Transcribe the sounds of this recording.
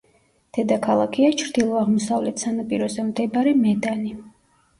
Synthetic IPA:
d̪̥ɛd̪akʰalˠakʰiat͡ʃʰɾd̪ilˠɔaʁmɔsavlɛt̪ʰsanapʼiɾɔzɛmd̪ɛbaɾimɛd̪ani

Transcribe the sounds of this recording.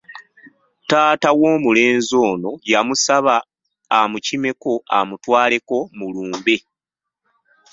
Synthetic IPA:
taːtawo̞ːmule̞ːnzo̞ːno̞jamusaβaː | mucime̞ko̞a̰mutwaːle̞ko̞muluːmbe

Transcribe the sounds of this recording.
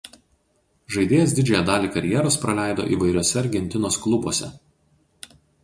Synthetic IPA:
ʒɐɪd̪ʲeːjɛs̬d̪ʲɪd͡ʒʲɛjɛd̪ɑːlʲiːkɐɾʲjɛɾoːspɾɐlʲæˑɪd̪o̰ːʔḭːʋɐɪɾʲoːsʲɛɐɾʲɡʲɛnʲt̪ʲɪnoːsklˠʊbuɔsʲɛ̰

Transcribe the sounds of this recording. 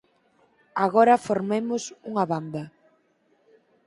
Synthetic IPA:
aɣɔɾɐfoɾmemʊsuŋaβand̪ɐ

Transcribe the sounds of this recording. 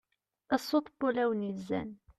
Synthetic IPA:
əsˤːot̪ˤbʊlæwnizːæ̰n

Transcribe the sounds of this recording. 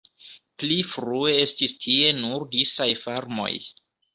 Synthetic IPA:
plifɾue̞e̞stistʰie̞nuɾdisajfaɾmo̞̰j

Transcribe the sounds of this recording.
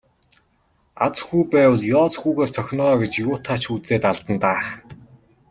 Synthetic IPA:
a̰t͡sxuːpæːwə̆ɮjɔːt͡sxuːɣeːrt͡sʰœxʲnɔːɡet͡ɕjʊːt̪ʰaːt͡ɕʰuːt͡seːt̪aɮt̪ə̆nt̪aːχ

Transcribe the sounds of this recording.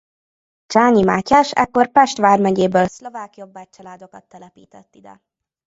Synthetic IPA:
t͡ʃaːɲimaːcːaːʃɛ̰kːo̞rpɛʃt̪ʋaːrmɛɟeːbøːlslo̞vaːkijobːat͡ʃɒlaːd̪o̞kɒt̪ːɛlɛpiːt̪ɛt̪ːid̪ɛ̰

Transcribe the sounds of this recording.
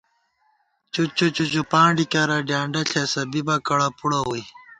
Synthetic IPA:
t͡ɕut͡ɕut͡ɕut͡ɕupãːɳɖikaɾɐɖjaːɳɖɐɬʰesɐbibɐkɐɽɐpuɽɐoi

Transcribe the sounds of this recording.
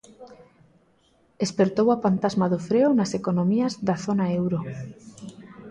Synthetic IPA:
espeɾt̪owapant̪azmaðofɾeonasekonõmiazðaθonaewɾo

